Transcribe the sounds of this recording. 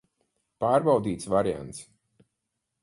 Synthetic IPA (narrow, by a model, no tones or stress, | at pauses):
paːɾbawd̪iːt̪svaɾia̰nt̪s